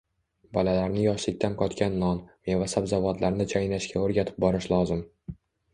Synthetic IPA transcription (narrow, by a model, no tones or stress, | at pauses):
bɒlalaɾnɪjɒʃlɪk̚ʲt̪ʰanqʰɒt̪kʲanːɒnmevasabzavɒt̪laɾnɪt͡ʃʰajnaʃkʲʰaoɾɡʲat̪ʰɪ̥p̚bɒɾɪʃlˠɒzɪm